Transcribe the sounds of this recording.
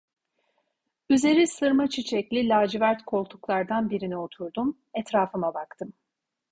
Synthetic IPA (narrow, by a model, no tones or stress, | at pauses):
yze̞ɾisɯɾmat͡ʃʰit͡ʃʰɛclʲilʲaːd͡ʒivæɾt̪kʰo̞lˠt̪ʰuklˠaɾd̪anbiɾinio̞t̪ʰuɾd̪um | ɛt̪ɾaːfɯmabakt̪ʰɯm